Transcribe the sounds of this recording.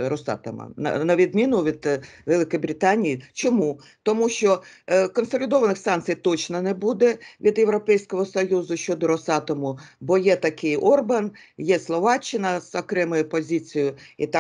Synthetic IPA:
ɾɔsɑ̰t̪ɐ̰mɐ̰nɐ̰nɐʋʲid̪mʲinʊʋʲid̪ʋelˠɪkɔjbɾɪt̪ɑnʲːijit͡ʃɔmu | t̪ɔmuʃt͡ʃɔkɔnsɔlʲɪd̪ɔʋɐnɪxsɑnt̪t͡sʲijt̪ɔt͡ʃnɐnɛbud̪ɛʋʲid̪jeʋɾɔpɛjsʲkɔɦɔsɔjuzʊʃt͡ʃɔd̪ɔɾɔsɑt̪ɔmʊbɔjɛt̪ɐkɪjɔrbɐn | jɛslˠɔʋɑt͡ʃːɪnɐzɔkɾɛmɔjʊpɔzʲit͡sʲijʊit̪

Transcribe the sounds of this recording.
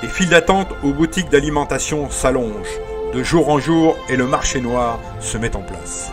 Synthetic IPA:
lefild̪at̪ɑ̃t̪obut̪ik̚d̪alimɑ̃t̪asjɔ̃salɔ̃ʒ | d̪əʒuʁɑ̃ʒuːʁeləmaʁʃenwaːʁ | səmɛt̪ɑ̃pla̰s

